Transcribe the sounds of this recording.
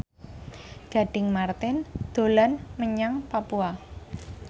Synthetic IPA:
ɡ̥a̤ɖ̥ɪŋmart̪ɪnd̪̥o̤lanməɲaŋpapua

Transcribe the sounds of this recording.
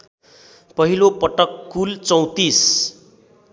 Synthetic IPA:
pʌɦilopʌʈʌkːult͡sʌw̃t̪is

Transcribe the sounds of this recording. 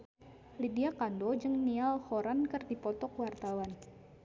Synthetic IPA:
lidiakandod͡ʒɨŋnialhoɾankɨrdipɔt̪ɔkwart̪awan

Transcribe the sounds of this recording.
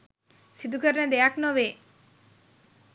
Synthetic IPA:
sid̪ukʰəɾned̪eaknɔʋe

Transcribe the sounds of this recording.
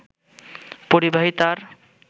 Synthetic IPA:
poɾibaɦit̪aɾ

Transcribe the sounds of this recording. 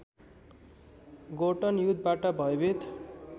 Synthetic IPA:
ɡoʈʌnjud̪baʈʌbʱʌjbit̪

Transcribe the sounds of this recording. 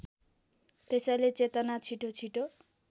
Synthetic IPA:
t̪esajlet͡set̪ʌnat͡sʰiʈot͡sʰiʈo

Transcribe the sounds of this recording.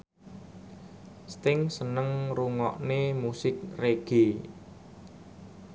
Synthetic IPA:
st̪ɪŋsənəŋruŋɔʔnemusɪk̚reɡ̥e

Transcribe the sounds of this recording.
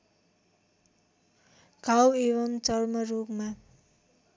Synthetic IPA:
ɡ̥ʱaweβʌmt͡sʌrmʌɾupma

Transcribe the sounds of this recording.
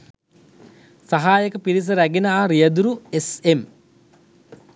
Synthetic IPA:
saɦaːjəkəpiɾis̬əɾæɡinəaːɾijɐd̪uɾuesem

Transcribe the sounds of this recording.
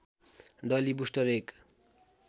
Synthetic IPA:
ɖʌlibusʈʌɾek

